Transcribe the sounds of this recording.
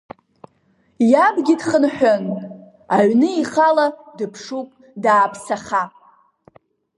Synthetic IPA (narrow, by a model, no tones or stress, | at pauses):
jabɡʲidχənħᶣʷon | aʕnɨiχaladɨpʰʂupʼ | daːpʰsaχa